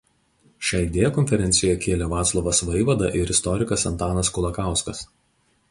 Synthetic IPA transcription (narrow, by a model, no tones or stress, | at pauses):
ʃʲɑːɪd̪ʲeːjɛkɔnʲfʲɛɾʲɛnʲsʲɪjojɛkʲeːlʲɛʋɑːt̪slˠɔʋɐsʋɐɪʋɐd̪ɐ̰ʔɪɾɪst̪ɔɾʲɪkɐsɐnt̪ɑːnɐskɔlˠɐkɑˑʊskɐs